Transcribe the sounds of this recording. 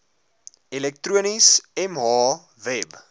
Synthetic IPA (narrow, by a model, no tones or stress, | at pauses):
ilɛk̚tɾuənisɛmɦɑː | vɛb